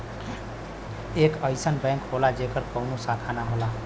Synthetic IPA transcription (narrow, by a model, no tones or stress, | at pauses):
ekəjsənbɛ̃ŋkɦolad͡ʒekəɾkəwnusat̪ʰanaɦola